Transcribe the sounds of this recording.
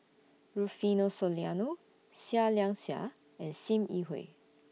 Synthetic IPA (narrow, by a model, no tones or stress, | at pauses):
ɹufinosoljano | sialjãŋsa̰ | ɛ̃nsĩmiɦo̰ɪ